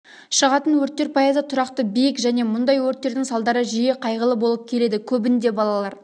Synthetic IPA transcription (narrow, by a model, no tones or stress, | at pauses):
ʃəʁɑt̪ənwɵɾt̪ːe̞ɾpʰɑjəzət̪ʰʊɾɑqt̪əbejɪkʒæne̞mʊnd̪ɑjwɵɾt̪ːe̞ɾd̪ɪŋsɑlˠd̪ɑɾəʒije̞qʰɑjʁəlˠəbo̞lˠəp̚kʲʰe̞le̞d̪ɪkʲʰɵbɪnd̪e̞bɑlˠɑlˠɑɾ